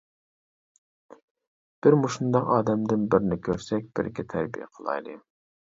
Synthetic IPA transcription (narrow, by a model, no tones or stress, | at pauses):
b̥ɪɾmoʃund̪ɑqɑːd̪ɛmd̪ɪnbɪɾnɪkʲʰøɾsɛk̚ʲb̥ɪ̰ɾɡʲɛt̪ʰæɾbijɛ̰qʰəlˠɑ̰jlˠɨ̰